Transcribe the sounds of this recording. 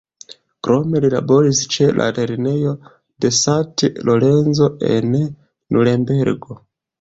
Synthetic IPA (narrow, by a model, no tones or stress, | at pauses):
kɾo̞me̞lila̰bo̞ɾist͡ʃe̞lʔa̰ɾeɾine̞jo̞ | de̞satloɾe̞nzo̞e̞̰n | nuɾembeɾɡo̞